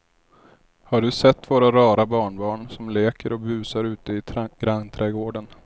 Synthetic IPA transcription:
haɖɵsɛt̪ːvoːɾaɾɑːɾabɑːɳbɑːɳsɔmleːkəɾɔbʉ̟ːsaɾʉ̟ːt̪əɪɡ̥ɾaŋt̪ʰɾɛːɡoːɖən

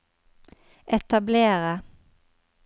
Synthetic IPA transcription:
ʔɛt̪ɑbleːʁə

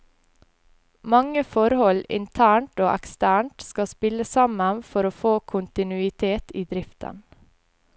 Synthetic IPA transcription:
mɑŋəfɔɾhɔlɪ̰nt̪ʰæːɳʈoːʔɛ̰kst̪æːɳʈskɑspɪləsɑmənfɔɾoːfoːkʰʊnt̪ɪnʉɪt̪ʰeːt̪iːd̪ɾɪft̪ə̰n

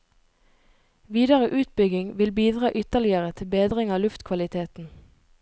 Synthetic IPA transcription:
ʋiːd̪əʁəʔʉːt̪̚bʏɡɪŋʋɪlbiːd̪ʁɑːʔʏt̪əlɪəʁət̪ʰɪlbeːd̪ʁɪŋɑːlʉft̪kʰʋɑlɪt̪ʰeːt̪n̩

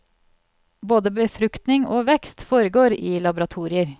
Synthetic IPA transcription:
boːd̪əbəfɾʉkt̪nɪŋʔoːʋɛkst̪foːɾəɡoːɾiːlɑbʊɾɑt̪ʰuːɾɪəɾ

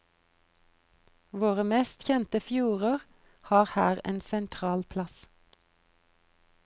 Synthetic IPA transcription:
ʋoːʁəmeːst̪çɛnt̪əfjuːʁəʁ | hɑːʁhæːʁḛːnsɛnt̪ʰʁɑːlpʰlɑs

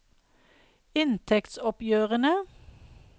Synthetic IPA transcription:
ɪnt̪ʰɛkt̪sɔpjøːʁənə

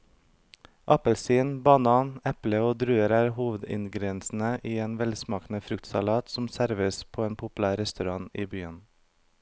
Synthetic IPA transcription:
ʔɑpəlsiːnbɑnɑːnɛpləoːd̪ɾʉːəɾæːɾhuːʋəd̪ɪ̰nɡɾɛnsn̩əʔiːeːnʋɛlsmɑːkn̩əfɾʉkt̪sɑlɑːt̪sɔm̩sæɾʋəspʰoːeːnpʰʊpʉlæːɾɛst̪ʉɾɑŋiːbyːən

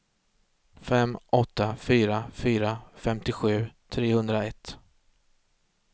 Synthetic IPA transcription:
fɛmːʔɔt̪ːafyːɾafyːɾafɛmt̪ɪɧʉ̟ːt̪ʰɾeːhɵnd̪ɾaɛt̪

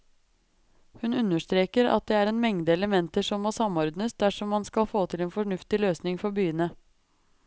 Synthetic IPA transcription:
hʉnʉnːəʂt̪ɾeːkəɾɑ̰t̪̚d̪ɛæːɾeːnmɛŋd̪əɛləmɛnt̪əʂɔmːoːsɑmɔɾd̪nəsd̪æʂɔmːɑnskɑlfoːt̪ʰɪleːnfɔɳʉft̪ɪløːsnɪŋfɔɾbyːənə

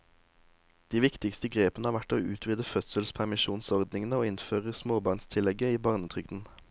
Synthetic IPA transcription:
d̪̥iːʋɪkt̪ɪkst̪əɡʁeːpənəhɑːʁʋæʈoːʉːt̪ʰʋiːd̪əfœt̪səlspʰæʁmɪʃuːnsɔʁd̪nɪŋənəoːɪnføːʁəsmoːbɑʁnst̪ʰɪlɛɡəiːbɑːʁnət̪ʰʁʏɡd̪n̩

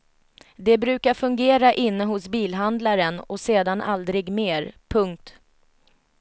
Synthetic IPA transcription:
d̪ɛbɾʉ̟ːkaɾfɵŋɡeːɾaʔɪnːəɦʊsbiːlɦand̪laɾənɔseːd̪anʔa̰ld̪ɾɪɡmeːɾpʰɵŋk̚t̪

